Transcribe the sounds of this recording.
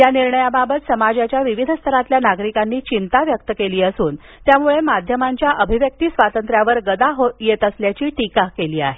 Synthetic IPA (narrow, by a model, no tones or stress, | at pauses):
janiɾɳəjababət̪səmad͡ʑjat͡ɕjaʋiʋid̪ʱəst̪ʰəɾat̪ljanaɡɾikanːiːt͡ɕint̪aʋjək̚t̪əkeliːəsuːn | t̪jamuɭemad̪ʱjəmaɲt͡ɕjaʔəbʱiʋjək̚t̪iːsʋat̪ənt̪ɾjaʋəɾɡəd̪aɦojet̪əsljat͡ɕiːʈikakeliːa̰ɦe